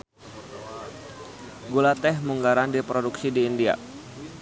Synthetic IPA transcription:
ɡulat̪ɛhmuŋɡaɾandipɾoduksidiːndia̰

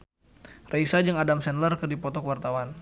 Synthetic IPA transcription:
raisad͡ʒəŋadamsɛnlərkərdipɔt̪ɔkwart̪awan

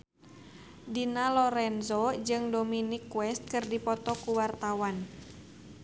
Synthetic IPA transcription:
dinalɔɾɛnzod͡ʒɨŋdominikwɛst̪̚kɨrdipɔt̪ɔkuwart̪awan

